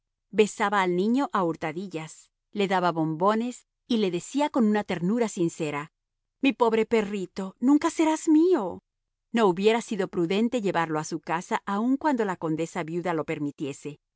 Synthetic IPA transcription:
be̞saβaːlnĩɲo̞ʔauɾt̪aðiʝas | le̞ðaβaβo̞mbo̞ne̞s | ile̞ðe̞siako̞nunat̪e̞ɾnuɾasinse̞ɾa | mipo̞βɾe̞pe̞rit̪o̞nũŋkase̞ɾazmio | no̞uβje̞ɾasiðo̞pɾuðe̞nt̪e̞ʝe̞βaɾlo̞asukasaʔauŋkwand̪o̞lako̞nd̪e̞saβjuðalo̞pe̞ɾmit̪je̞se̞

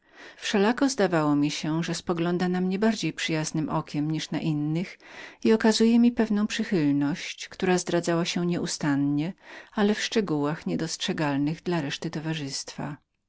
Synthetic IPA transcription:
fʂɛlakɔzd̪avawɔmʲiɕɛʐɛspɔɡlɔnd̪anamɲɛbaɾd͡ʑejpʂɘjaznɘmʔɔkʲɛmɲiʂna̰ʔinːɘxiɔkazujɛmʲipɛvnɔ̃w̃pʂɘxɘlnɔɕt͡ɕkt̪uɾazd̪ɾad̪zawaɕɛɲɛʔust̪anɲɛalɛfʂt͡ʂɛɡuwaxɲɛd̪ɔstʂɛɡalnɘɣd̪laɾɛʂt̪ɘt̪ɔvaʐɘst̪fa̰

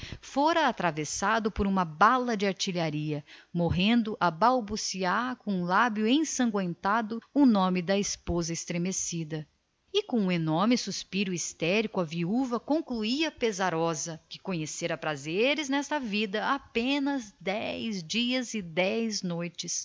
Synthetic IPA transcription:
foɾɐːt̪ɾavesad̪ʊpoɾũmɐbalɐd͡ʒɪaɾt͡ʃiʎaɾiɐmoɦẽnd̪ʊʔɐbawbusiaɾkõũlabjʊẽsɐ̃ŋɡwẽnt̪ad̪ʊʊnõmɪd̪ɐɪspozɐɪst̪ɾemesid̪ɐ | ɪkõũenɔɾmɪsuspiɾʊist̪ɛɾikʊɐviuvɐkõkluiɐpezaɾɔzɐkɪ̥kõɲeseɾɐpɾazeɾɪznɛst̪ɐvid̪ɐapẽnɐzd̪ɛjzd͡ʒiɐzɪd̪ɛjznojt͡ʃɪs

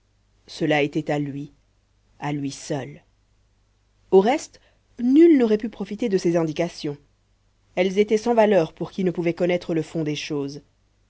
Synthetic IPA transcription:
səlaet̪ɛt̪alɥi | alɥisœl | oʁɛst̪ | nylnɔʁɛpypχɔfit̪ed̪əsezɛ̃d̪ikasjɔ̃ | ɛlzet̪ɛsɑ̃valœːʁpuʁkʲinəpuvɛkɔnɛt̪χələfɔ̃d̪eʃoːz

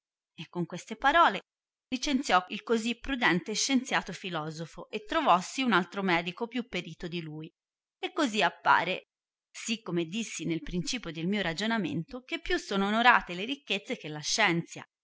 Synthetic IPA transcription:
ekːoŋkwest̪epaɾɔːle | lit͡ʃent̪sjɔilkozipːɾud̪ɛnt̪eʃːent̪sjaːt̪ofilɔːzofoʔet̪ːɾovɔsːiunalt̪ɾomɛːd̪ikopjupːeɾiːt̪od̪iluːj | ekːoziapːa̰ːɾe | sikːomed̪ːisːinelpɾint͡ʃiːpjod̪elmiːoɾad͡ʒonamḛnt̪ok̟epːjusːoːnoːnoɾa̰ːt̪eleɾik̟ːet̪sːek̟elːaʃːɛnt̪sja̰

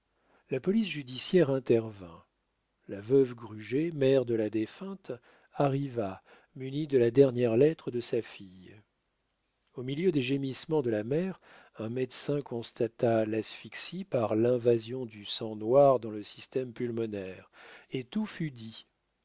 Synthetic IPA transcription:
lapɔlis̬ʒyd̪isjɛʁɛ̃t̪ɛʁvɛ̰̃ | lavœvɡʁyʒemɛʁd̪əlad̪efɛ̃t̪ | aʁiva | mynid̪əlad̪ɛʁnjɛʁlɛt̪χəd̪əsafij | omiljød̪eʒemismɑ̃d̪əlamɛʁ | ɛ̃mɛd̪sɛ̃kɔ̃st̪at̪alasfiksipaʁlɛ̃vazjɔ̃d̪ysɑ̃nwaʁd̪ɑ̃ləsi̥st̪ɛmpylmɔnɛʁet̪ufyd̪i

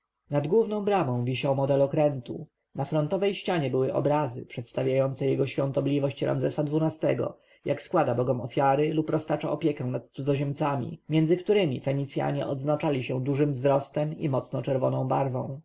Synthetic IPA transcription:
nad̪ɡwuvnɔ̃w̃bɾamɔ̃w̃vʲiɕawmɔd̪ɛlɔkɾɛnt̪ṵ | nafɾɔnt̪ɔvɛjɕt͡ɕaɲɛbɘwɘʔɔ̰bɾazɘ̰pʂɛt̪st̪avʲjajɔnt̪sɛjɛɡɔɕfʲjɔ̃nt̪ɔblʲivɔɕt͡ɕɾa̰mzɛsad̪vunast̪ɛɡɔ̰ | jakskwad̪abɔɡɔmɔfʲjaɾɘlupɾɔst̪at͡ʂa̰ɔpʲjɛkɛw̃nat̪t̪sud̪ɔʑɛmt̪samʲḭmʲjɛnd̪zɘkt̪uɾɘmʲḭfɛɲit̪sʲja̰ɲɛ̰ʔɔd̪znat͡ʂalʲiɕɛd̪uʐɘmvzɾɔst̪ɛmḭmɔt̪snɔt͡ʂɛɾvɔnɔ̃w̃baɾvɔ̰̃w̃

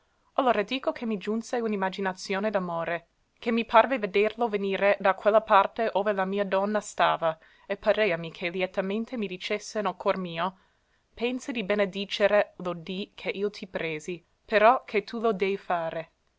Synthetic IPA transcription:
alːoːɾad̪iːkokʰemid͡ʒunseunimːad͡ʒinat̪sjoːned̪amoːɾe | kemːipʰarveved̪erloveniːɾed̪akwelːapart̪eʔoːvelamiːad̪ɔnːast̪aːva | epːaɾeːamikʰeljɛt̪ament̪emid̪it͡ʃesːenokʰormiːo | pɛnsed̪ibened̪iːt͡ʃeɾelod̪ikʰeʔiːot̪ʰipɾeːzi | peɾɔkʰet̪ʰulod̪ɛːjfaːɾe

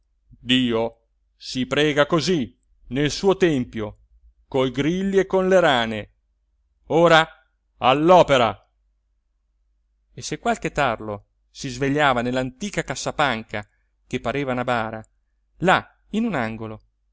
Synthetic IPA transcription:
d̪iːo | sipɾɛːɡakozi | nelsuːot̪ɛmpjo | koiɡɾilːiekːonleɾaːne | oːɾa | alːɔːpeɾa | esekwalket̪arlo | sizveʎːaːvanelːant̪iːkakasːapaŋka | k̟epːaɾeːvanabaːɾa | la | inunaŋɡolo

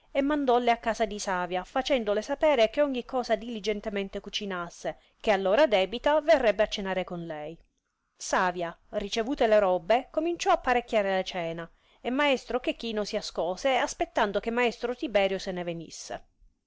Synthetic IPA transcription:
emːand̪ɔlːeakːaːsad̪isaːvjafat͡ʃɛnd̪olesapɛːɾek̟eɔɲːikːɔːzad̪ilid͡ʒɛnt̪ement̪ekut͡ʃinasːe | kealːoːɾad̪ɛːbit̪averːɛbːeat͡ʃːenaːɾekonlɛj | saːvjarit͡ʃevuːt̪eleɾɔbːekomint͡ʃɔapːaɾekːjaːɾelat͡ʃɛːna | emːaɛst̪ɾok̟ekːiːnosiaskɔːseaspet̪ːand̪okemːaest̪ɾot̪ibɛːɾjosenevenḭsːḛ

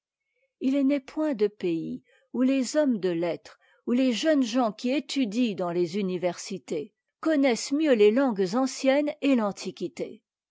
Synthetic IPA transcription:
ilnɛpwɛ̃d̪əpei | ulezɔmd̪əlɛt̪χ | uleʒənʒɑ̃kʲiet̪ʰyd̪id̪ɑ̃lezynivɛʁsit̪e | kɔnɛsmjølelɑ̃ɡzɑ̃sjɛnelɑ̃t̪ʰikʲit̪e

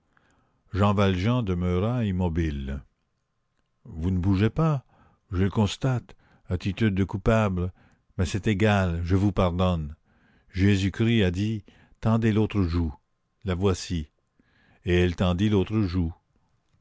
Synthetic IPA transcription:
ʒɑ̃valʒɑ̃d̪əmøʁaimɔbil | vunəbuʒepa | ʒələkɔ̃st̪at̪ | at̪it̪yd̪̚ːəkupabl | mɛsɛt̪eɡalʒəvupaʁd̪ɔn | ʒezykʁiad̪i | t̪ɑ̃d̪elot̪ʁəʒu | lavwasi | eɛlt̪ɑ̃d̪ilot̪ʁəʒu

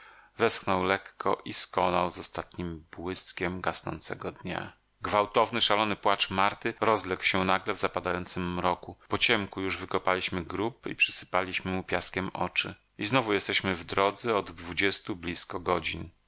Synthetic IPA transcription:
vɛsxnɔwlɛkːɔ̰ʔiskɔnawzɔst̪at̪ɲimbwɘskʲɛmɡasnɔ̰nt̪sɛ̰ɡɔd̪ɲa̰ | ɡvawt̪ɔvnɘʂalɔnɘpwat͡ʂmaɾt̪ɘɾɔzlɛkwɕɛnaɡlɛvzapad̪ajɔnt̪sɘmːɾɔkupɔt͡ɕɛmkujuʐvɘkɔpalʲiɕmɘɡɾupḭpʂɘsɘ̥palʲiɕmɘmupʲjaskʲɛmɔ̰t͡ʂɘ | iznɔvujɛst̪ɛɕmɘvd̪ɾɔd̪zɛɔd̪ːvud͡ʑɛst̪ublʲiskɔɡɔd͡ʑin

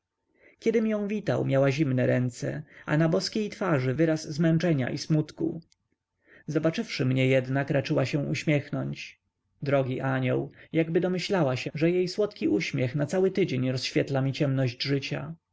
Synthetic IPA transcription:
kʲɛd̪ɘmjɔ̃w̃vʲit̪a̰wmʲjawaʑimnɛɾɛnt̪sɛ̰a̰nabɔskʲejt̪faʐɘvɘɾasːmɛnt͡ʂɛɲa̰ʔismut̪kṵ | zɔbat͡ʂɘfʂɘmɲɛjɛd̪nakɾat͡ʂɘwaɕɛ̃ʔuɕmʲjɛxnɔɲt͡ɕ | d̪ɾɔɡʲiʔaɲɔ̰wjaɡbɘd̪ɔmɘɕlawaɕɛʐɛjejswɔt̪kʲiʔuɕmʲjɛxnat̪sawɘt̪ɘd͡ʑeɲɾɔsɕfʲjɛt̪lamʲit͡ɕɛmnɔʑd͡ʑʐɘt͡ɕa̰

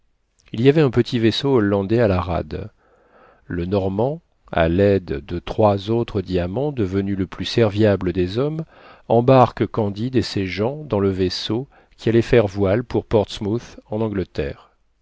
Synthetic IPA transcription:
ilijavɛɛ̃pət̪ʰivesoɔlːɑ̃d̪ɛalaʁa̰d̪ | lənɔʁmɑ̃ | a̰lɛd̪d̪ət̪χwazot̪χəd̪iamɑ̃d̪əvənyləplysɛʁvjabləd̪ezɔm | ɑ̃baʁkkɑ̃d̪id̪eseʒɑ̃d̪ɑ̃ləveso | kʲʰialɛfɛʁvwalpuʁpɔʁt̪smuθɑ̃nɑ̃ɡlət̪ɛ̰ːʁ

